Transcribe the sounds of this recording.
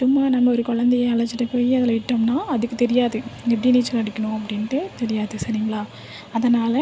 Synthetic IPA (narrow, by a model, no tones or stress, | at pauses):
t͡ʃːʊmːaːnɐmːɐɔɾɯkɔɭɐnd̪ejɐɐɭɐd͡ʒɪʈːɐpoːjiɐðɪlɐɪʈːɐmnaːɐðɯkːɯt̪ɛɾɪjaːðɯɛp̬ːɐɽijniːt͡ʃːɐlɐɽɪkːɐɳʊ̃ɐp̬ːɐɽɪnʈɯt̪ɛɾɪjaːðɯsɐɾiŋɡɐɭaː | ɐðɐnaːlɐ